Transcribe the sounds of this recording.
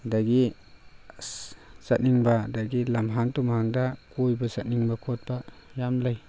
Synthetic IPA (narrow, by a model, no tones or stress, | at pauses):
daɡi | zat̚niŋbadaɡilamɦaŋtumaŋdakojbazat̚niŋbakʰot̚bajamlaj